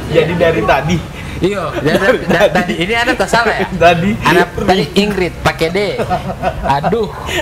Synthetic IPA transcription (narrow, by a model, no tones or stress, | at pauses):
d͡ʒadidaɾit̪adi | ijodaiat̪adiːniadat̪asalajat̪adianap̪adiiŋɡɾit̪̚pakede | adu